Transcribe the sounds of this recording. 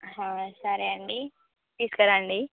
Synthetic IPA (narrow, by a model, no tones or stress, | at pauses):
ɦãsaɾeaɳɖi | piskəɾaɳɖi